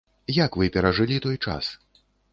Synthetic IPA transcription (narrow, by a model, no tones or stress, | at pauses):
jakvɨpʲɛɾaʐɨlʲit̪ɔjt͡ʂa̰s